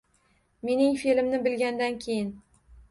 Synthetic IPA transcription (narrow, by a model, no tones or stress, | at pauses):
me̞nɪŋfilɪmnɪbɪlɡʲand̪ankʲʰejɪn